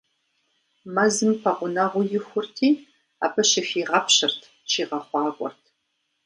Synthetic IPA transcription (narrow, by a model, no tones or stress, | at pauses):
mɐzɨmpʰɐqʷʊnɐʁʷʊjɪxʷʊrtʰiː | a̰ːpʰɐʃɪfiːʁɐpɕɪrtʰ | t͡ʃʰiːʁɐχʷɑːɡʷʼɔ̰rtʰ